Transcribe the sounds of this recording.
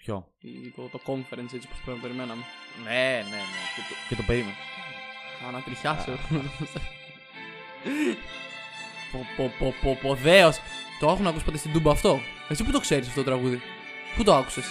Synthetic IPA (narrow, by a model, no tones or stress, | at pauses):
pço̞̰ | ḭt̪ot̪okoɱfeɾenset͡sipospɾenpeɾimenɐmunenenecet̪cet̪opeɾimeno | ɐnɐt̪ɾiçɐses | popopopopoðe̞ost̪oɐxunɐkuspɐt̪est̪id̪ubɐːft̪o̞ | esip̬ut̪o̞kse̞ɾisɐft̪otoɾɐɣuði | put̪oaku̥ses